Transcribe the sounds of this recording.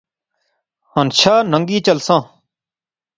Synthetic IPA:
hənt͡ʃʰaːnəŋɡiːt͡ʃəlsãː

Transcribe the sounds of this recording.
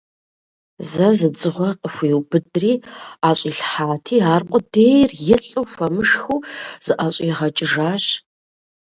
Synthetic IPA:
zɐzɨd͡zʼɨʁʷɔqʼəxʷiːwbɨdriːaːɕʼiːɬħaːtʰiːaːrqʷʼɔdeːjrjɪɬʼuwxʷɐmɨʂxuːz̥ɨʔaɕʼiʁɐt͡ʃʼɪʐaːɕ

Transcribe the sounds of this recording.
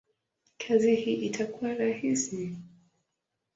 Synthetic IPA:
kʰazihiʔitʰakuwaɾahisi

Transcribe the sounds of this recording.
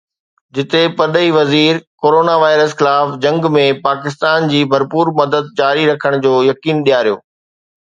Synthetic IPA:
d͡ʑɪt̪epɐd̪əiʋɐziːɾkoːɾoːnaʋaːɪɾəsxɪlaːfd͡ʑɐ̃ŋɡmẽpaːkɪst̪aːnd͡ʑiːbʱɐɾpuːɾmɐd̪əd̪̚d͡ʑaːɾiɾɐkʰəɽ̃d͡ʑoːjɐkiːnɗijaːɾijo̰ː

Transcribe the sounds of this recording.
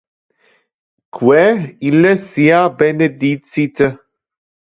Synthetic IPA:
kʰwɛiləsiabɛned̪it͡sit̪ə

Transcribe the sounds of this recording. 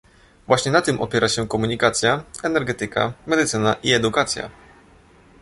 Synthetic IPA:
vwaɕɲɛnat̪ɘmʔɔ̰pʲjɛɾʔaɕɛkɔmuɲikat̪sʲjaɛnɛɾɡɛt̪ɘka̰mɛd̪ɘt̪sɘnaʔiɛd̪ukat̪sʲja̰

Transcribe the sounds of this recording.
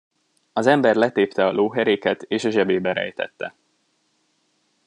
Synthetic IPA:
ɒzɛmbɛrlɛt̪eːpt̪ɛɒlʔoːɦɛɾeːkɛt̪eːʃɒʒɛbeːbɛɾɛ̰jt̪ɛ̰t̪ːɛ̰

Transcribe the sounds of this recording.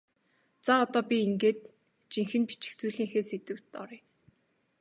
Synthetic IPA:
t͡saɔt̪ɔːpʲiiŋɡeːt̪̚ | t͡ɕiŋxɘ̆npi̥t͡ɕɪ̥̆xt͡suːɮiːŋxeːset̪ɘ̆w̥t̪ɔ̰ɾij

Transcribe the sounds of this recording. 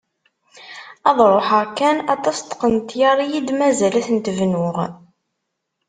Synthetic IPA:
ɑðˤɾˤoħəʁkænɑt̪ˤɑst̪qənt̪jɑɾˤijid̪mæzælæθənt̪əvnʊʁ

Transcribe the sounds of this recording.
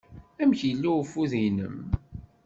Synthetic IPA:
æmçjəlːifuðinə̰m

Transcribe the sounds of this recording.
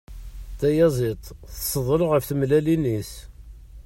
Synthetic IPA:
t̪æjæzˤit̪ˤθə̥sːəðˤlʊʁəfθəmlælinis

